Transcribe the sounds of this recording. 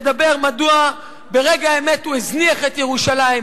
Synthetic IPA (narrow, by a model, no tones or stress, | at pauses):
d̪abe̞ʁmadua | be̞ʁeɡaemetuezniaχet̪jeʁuʃalaim